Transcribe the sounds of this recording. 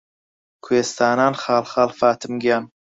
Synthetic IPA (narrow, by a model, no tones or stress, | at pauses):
kʰweːst̪ʰaːnaːnχɑːlχɑːlfaːt̪ʰɨmɡijaːn